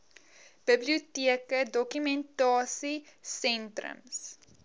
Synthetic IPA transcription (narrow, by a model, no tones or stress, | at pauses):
b̥əbliutiəkədɔkymɛntɑːsisɛntrə̰ms